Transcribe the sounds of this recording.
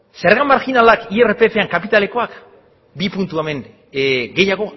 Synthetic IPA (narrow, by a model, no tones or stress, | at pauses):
seɾɣamaɾkinalakierepe̞fe̞aŋkapit̪ale̞ko̞ak | bipunt̪ueme̞ŋ | ɡe̞jaɣ̞o̞